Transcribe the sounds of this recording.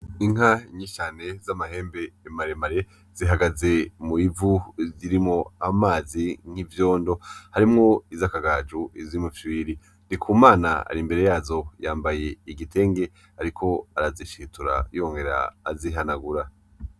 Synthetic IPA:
iŋaɲiʃane̞zamaɦe̞ːmbe̞ːmaɾemaɾe̞ | z̥iɦaɡaze̞muivuziɾimŋo̞amaːziŋ̥ivjo̞ːndo̞haɾimŋo̞izakaɡaːd͡ʒuizimoviwiɾi | ndikʰuːmaːna̰a̰ɾimbe̞ɾe̞jaːzo̞jaːmbaje̞iɡitʰe̞ːŋɡe̞ | aɾikʰo̞aɾaziʃituɾa̰joŋɡe̞ɾa̰ːziɦanaɡuɾa

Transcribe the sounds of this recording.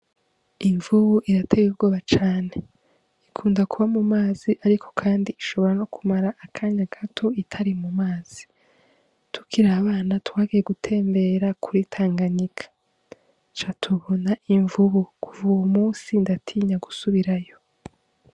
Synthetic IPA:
iɱvuβuʔiɾatʰe̞ɡubɡoːβat͡ʃaːne | ikʰuːndakuβamumaːziʔaɾikʰo̞̥kʰaːndiiʃo̞βo̞ɾano̞kumaɾaʔːkʰaɲaɡ̥atʰo̞itʰaɾimumaːz̥i | tʰu̥kiɾaːβaːnatwaːɡije̞ɡutʰe̞ːmbe̞ɾakʰuɾitʰaːŋɡaɲikʰḁ | t͡ʃatʰuβo̞naʔiɱvuβukuvuumuːsindatʰiːɲaɡusuβiɾajo̞

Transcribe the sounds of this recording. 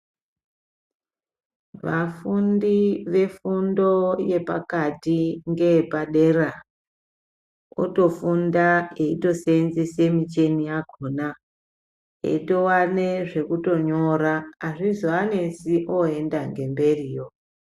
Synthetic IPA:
ʋafundiʋe̞fundo̞je̞pa̰katiŋɡe̞paɗera | o̰to̞fundae̞ito̞senzisemit͡ʃe̞nijaɡʱona | ḛito̞wane̞ʐe̞kuto̞ɲo̞ɾaːʐizoane̞siʔoe̞ndaŋɡe̞mbe̞riːjo̞

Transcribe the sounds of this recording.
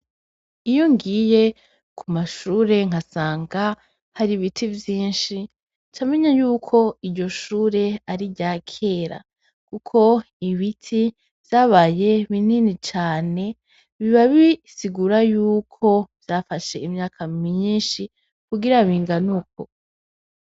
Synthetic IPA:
ijoŋɡiːje | kumaʃuːɾe̞ŋ̥asaːŋɡa | haɾiβitʰivjiːnʃi | t͡ʃameɲajuːkʰo̞iɾɟo̞ʃuːɾe̞aɾiɟaːkʰe̞ːɾa̰ | kukʰo̞ | iβitʰi | vjaːβaje̞βininit͡ʃaːne̞ | βiβaβisiɡuɾajuːkʰo̞vjaːfaʃe̞imɲaːkʰamiɲiːnʃi | kuɡiɾaβiːŋɡanukʰo

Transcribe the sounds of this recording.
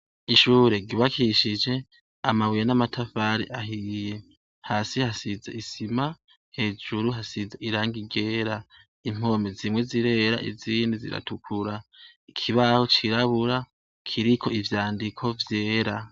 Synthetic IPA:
iʃuːɾe̞ɡiβakʰiʃid͡ʒe̞ | amawijenamatʰafaɾḭʔaɦije̞ | haːsihasizaisima | he̞ːd͡ʒuɾuɦasizaiɾaːŋɡiɡe̞ːɾa | im̥o̞ːmezimwe̞ziɾe̞ɾa̰ʔizindizḭɾa̰tukʰuɾaikʰiβahot͡ʃiɾaβuɾa | kʰiɾikʰo̞ivjaːndikʰo̞vje̞ːɾa

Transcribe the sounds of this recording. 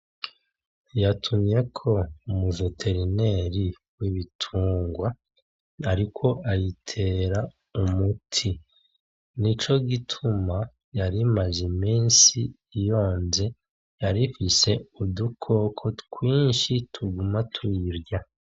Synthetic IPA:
jatʰumje̞kʰo̞umuʒotʰe̞ɾine̞ɾi | wiβitʰuːŋɡwa | aɾikʰo̞ajitʰe̞ːɾa | umutʰi | nit͡ʃo̞ɡitʰuma | jaɾimaʒemiːnsiː | jo̞ːnze̞ | jaɾifise̞udukʰo̞kʰo̞kwiːnʃitʰuɡumatʰuiɾɡa

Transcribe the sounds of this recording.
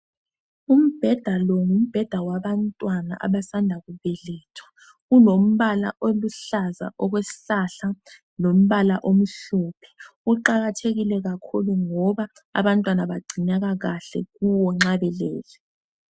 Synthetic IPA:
um̩b̥ʱɛd̥ʱalɔŋum̩b̥ʱɛd̥ʱawaβantʼwana̰ʔa̰βasandʱaɣuβɛlɛːtʰɔ̥ | ɣulom̩βala̰ʔoluɬaza̰ʔɔɣwesi̥ɬaɬa | lom̩βalaʔom̩ɬɔpʰɛ̥ | uǃaɣatʰeɣilɛɣakʰuluŋɔβa | a̰βantʼwanaβaɡ͡ǀʱinaɣaɣaɬɛ̰ɣuwɔŋ͡ǁaβɛlɛːlɛ

